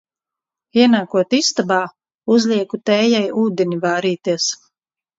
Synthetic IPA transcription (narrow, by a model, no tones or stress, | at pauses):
iɛnaːkuɔt̪ist̪abaː | uzlʲiɛkut̪ɛːjajuːd̪enivaːɾiːt̪iɛs